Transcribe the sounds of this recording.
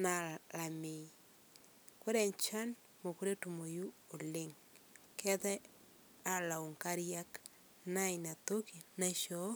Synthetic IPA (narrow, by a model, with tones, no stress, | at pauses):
na˨la˨me˨ | kwo˦ɾɛ˨ɲt͡ʃa˦n | mo˨ku˦ɾe˦tu˨mo˨ju˦o˨le˦ŋ | kɛ˦ðɛ˦ | a˨la˨u˨ŋka˦ɾja˦k | na˦ina˨to˦ki˨na˦ʃɔ˦